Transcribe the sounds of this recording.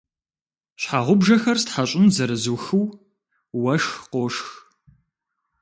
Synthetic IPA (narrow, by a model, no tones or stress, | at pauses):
ɕħaːʁʷʊbʒɐxɐrstħaɕʼɪmzɐɾɨzuxɨw | wɐʂxqoʂx